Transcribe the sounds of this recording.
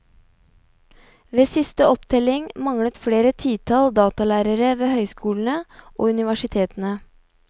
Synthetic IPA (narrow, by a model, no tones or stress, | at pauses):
ʋeːsɪst̪əɔpt̪ʰɛlɪŋmɑŋɽət̪fɽeːɾət̪ʰiːt̪ʰɑld̪ɑːt̪ɑlæːɾəɾəʋeːhœʏskuːln̩əʔo̰ːʉnɪʋæʂɪt̪ʰeːt̪n̩ə